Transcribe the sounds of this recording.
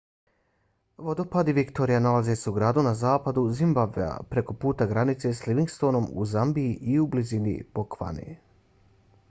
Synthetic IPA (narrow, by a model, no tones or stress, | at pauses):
ʋo̞d̪o̞pad̪iʋikt̪o̞ɾijanalaze̞seuɡɾaːd̪unazaːpad̪uzimbabvḛa̰pɾe̞ko̞puːt̪aɡɾanit̪se̞sliʋiŋɡst̪o̞no̞mṵzambiːʔiublizinḭb̥okʋa̰nḭ